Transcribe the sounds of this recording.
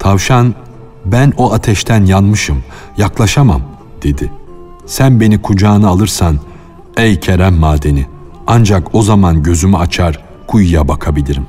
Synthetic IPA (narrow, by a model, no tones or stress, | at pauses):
t̪ʰavʃan | bænoat̪ʰɛʃt̪ʰænjanmɯʃɯm | jaklˠaʃama̰m | d̪̥e̞d̪ɪ | sænbe̞nikʰud͡ʒaːnɯalˠɯɾsan | ejcʰeɾæmːaːd̪e̞ni | and͡ʒako̞zamanɟø̞zymyat͡ʃʰaɾ | kʰujjabakʰabilʲiɾim